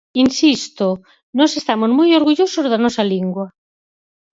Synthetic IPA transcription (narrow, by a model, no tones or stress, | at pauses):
insist̪o | nɔsest̪amozmojoɾɣuʎosozðanɔsaliŋɡwɐ